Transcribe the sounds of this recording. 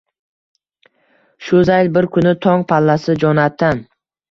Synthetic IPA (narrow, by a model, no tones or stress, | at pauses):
ʃʊzajlbɪɾkʰʊnɪt̪ʰɒŋpʰalːasɪd͡ʒɒnat̪ʰːan